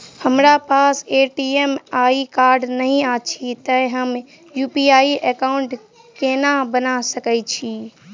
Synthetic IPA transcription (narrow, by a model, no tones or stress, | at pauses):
həmɾapaseʈiemaikaɾɖnəɦĩat͡ʃʰit̪əɦəm | jupiaiʔekaʊɳʈ | kenabənasəkət͡ʃʰi